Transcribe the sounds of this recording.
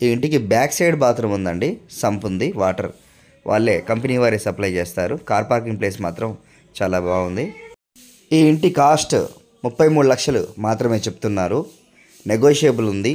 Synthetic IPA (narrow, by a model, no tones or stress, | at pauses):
iːiɳʈikibjaːkseːɖbaːt̪ɾɐmund̪ɐɳɖisɐmpund̪iʋaːʈɐ̰ɾ | ʋʔa̰ːɭːe̞ːkɐmpɐniːʋaːɾeːsɐplɐjt͡ʃeːst̪aːɾukaːɾpaːɾk̬iŋɡple̞ːs̬maːt̪ɾɐm | t͡ʃaːlaːbaːund̪i | iːiɳʈikaːsʈ | mupːɐjmuːɽulɐkʂɐlṵmaːt̪ɾɐme̞ːt͡ʃepu̥t̪unːaːɾu | neɡoːʂeːbulund̪i